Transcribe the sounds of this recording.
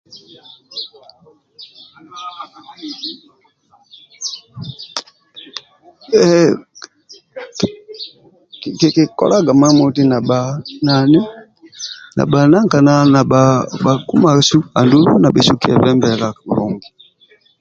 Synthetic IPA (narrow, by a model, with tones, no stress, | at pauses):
ki˨ki˨kɔ̰˨la˦ɡa˨ma˦mɔ˨ti˦na˨ɓa˨na˨nɛ˦ | na̰˨ɓa˨na˦ŋka˨na˨na˨ɓaba˨ku˦ma˨su˦a˨ndu˦lu˦na˨bɛ˨su˦ki˦ɛ̰˨vɛ˦mbɛ˨la˨lɔ˨ŋɡi˨